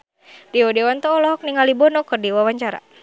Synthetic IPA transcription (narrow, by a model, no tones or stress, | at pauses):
diɔdɛwant̪ɔɔlɔɦɔk̚niŋalibɔnɔkɨrdiwawaɲt͡ʃaɾa̰